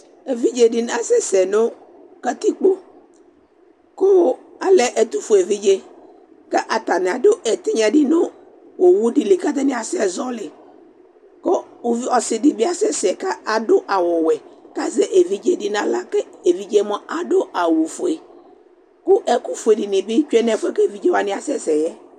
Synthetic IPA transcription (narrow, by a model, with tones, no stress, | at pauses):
e˨vi˦d͡ʒe˨di˨n˦a˨˦sɛ˦sɛ˨nʊ̃˦ | ka˦t̪i˦k͡po˦ | kʊ˦ | a˨lɛ˨ʔɛ˨t̪u˦fo˨e˨vi˦d͡ʒe˦ | kɛ˦ʔa˨t̪a˨nɪ˨a˨do˦ʔɛ˨t̪ɪ˦ɲã˨dɪ˦nʊ˦ | wo˨wu˦di˨lɪ˨ka˦t̪a˦nɪ˦a˨sɪ˦ɛ˨zɔ˦lɪ˨ | ko˦˨ | vi˦ɔ˨sɪ˨di˨bɪ˦a˦sɛ˦sɪ˨ɛ˨ka˦ʔa˨dʊ˦ʔa˨wɔ˨wɛ˨ka˦zɛ˨ʔe˨vi˦d͡ʒe˦di˦nã˦la˦kɛ˦e˨vi˦d͡ʒe˦mɔ̃˦ʔa˨ɖo˦a˨wu˨fo˨e˨ | kʊ˦ʔɛ˦ku˦fu˨e˨di˨nɪ̃˨bɪ˦t͡ʃɛ˦nɛ̃˦˨fʊ˦ɛ˦kɛ˦˨vi˦d͡ʒe˦wa˨nɪ̃˦a˨sɛ˦sɛ˨jɛ˦